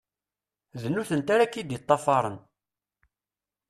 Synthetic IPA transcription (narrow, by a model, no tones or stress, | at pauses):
ðənːuθənt̪aɾakːid̪it̪ˤːɑfɑɾˤən